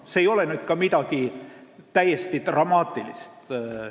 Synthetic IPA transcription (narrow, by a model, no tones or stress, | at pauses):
seejo̞lenyːd̪̥kɑmid̪ɑkit̪æjest̪it̪rɑmɑːt̪ːˑilḭst̪